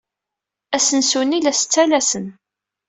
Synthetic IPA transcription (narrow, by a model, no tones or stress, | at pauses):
æsənsunilæsə̥t͡sːælæsən